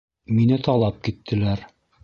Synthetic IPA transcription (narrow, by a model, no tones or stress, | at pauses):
minɘt̪ɑlˠɑp̚kit̪ʰːɘ̆læɾ